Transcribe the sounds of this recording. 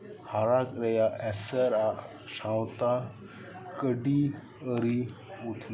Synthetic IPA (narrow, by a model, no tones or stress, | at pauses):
haɾakɾəjaʔɛsəɾa | sãwt̪a | kəɖi | əɾi | ut̪ʰ